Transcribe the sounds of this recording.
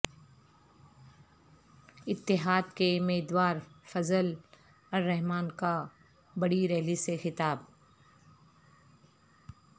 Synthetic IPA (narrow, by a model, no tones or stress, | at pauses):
ɪt̪ːɪɦaːd̪kemeːd̪waːɾfɐzəl | ɔːɾːɛɦmaːnka | bɐɽiɾɛːlisexɪt̪aːb̚